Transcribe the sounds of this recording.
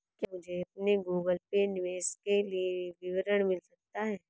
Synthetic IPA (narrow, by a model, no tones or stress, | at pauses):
kimʊd͡ʒʱeɐp̚neɡuːɡəlpenɪʋeːskelieʋɪʋɾəɽ̃mɪlsɐk̚t̪aɦɛː